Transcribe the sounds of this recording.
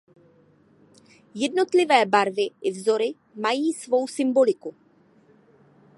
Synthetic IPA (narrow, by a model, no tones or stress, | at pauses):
jɛdno̞t̪lɪvɛːbaɾvɪʔɪvzo̞ɾɪ | majiːsvo̞wsɪmbo̞lɪku